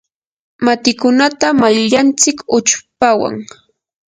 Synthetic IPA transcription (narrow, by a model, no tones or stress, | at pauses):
mat̪ɪkʊnat̪amajʎant͡sɪkʊt͡ʃpawa̰ŋ